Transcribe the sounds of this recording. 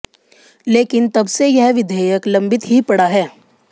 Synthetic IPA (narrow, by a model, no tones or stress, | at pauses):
leːkɪnt̪ɐbsejɛɦʋɪd̪ʱeːjəklɐ̃mbɪt̪ɦipɐɽaɦɛː